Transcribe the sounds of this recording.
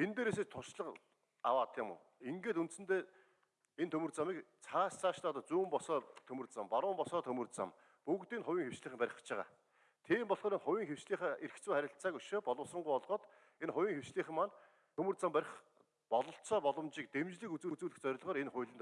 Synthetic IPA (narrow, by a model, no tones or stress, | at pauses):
ent̪eːɾeːs̬eːt͡ɕt̪ʰʊrʃɮə̆q | a̰waːt̪ʰjɪmʊ̰ː | iŋɡeːt̪unt̪sɘ̆nt̪eː | ent̪ʰɵmɵ̆rt͡samiːkt͡sʰaːst͡sʰaːʃt̪aːt̪ə̆t͡suːmpɔsɔːt̪ʰɵmɵ̆rt͡sampaɾʊːmpɔsɔːt̪ʰɵmɵ̆rt͡sa̰m | puɣt̪iːnχʊwiːŋxewt͡ɕɮiːχɘ̆mpæɾʲɪ̆χt͡ɕʰɪʁa̰ː | t̪ʰiːmpɔɮ̥χɔːɾenχʊwʲiːŋxew̥t͡ɕɮiːχæːerkt͡suːχæɾʲɪ̆ɬt̪t͡saːkɵʃeːpɔɮʊ̆ːsɞ̆ɴɢʊjɔɮʁɔːt̪ | enχʊwʲiːŋxew̥t͡ɕɮiːχɘ̆mːan | t̪ʰɵmɵ̆rt͡sampæɾʲɪ̆χ | pɔɮɞ̆ɬt͡sɔːpɔɮɞ̆mt͡ɕiːk̚t̪emt͡ɕɮɘ̆kut͡suːt͡suːɮɘ̆xt͡sœɾ̆ʲɮʁɔːɾenχʊjɮɘ̆nt̪